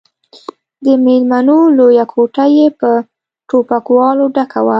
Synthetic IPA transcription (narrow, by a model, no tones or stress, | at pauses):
d̪əmelmanolojakʰoʈajepə | ʈopakwɑloɖakʰawa